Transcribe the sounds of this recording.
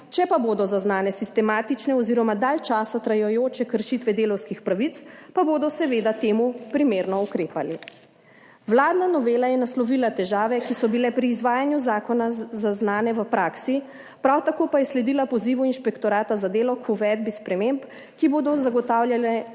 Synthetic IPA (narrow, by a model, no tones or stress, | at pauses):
t͡ʃɛpaboːd̪ɔzaznaːnɛsist̪ɛmaːt̪it͡ʃnɛɔziɾɔmad̪aːlt͡ʃaːsat̪ɾajɔjoːt͡ʃɛkəɾʃit̪ʋɛd̪eːlɔwskixpɾaʋit̪spaboːd̪ɔsɛʋeːd̪at̪eːmupɾimeːɾnɔukɾeːpali | ʋlaːd̪nanɔʋeːlajɛnaslɔʋilat̪ɛʒaːʋɛkisɔbilɛpɾiːzʋaːjanjuzaːkɔnazaznaːnɛʋəpɾaːksi | pɾawt̪akoːpajɛslɛd̪ilapɔziːʋuinʃpɛkt̪ɔɾaːt̪azad̪eːlɔkʰuʋɛd̪̚bispɾɛmemp | kiboːd̪ɔzaɡɔt̪aːwljalɛ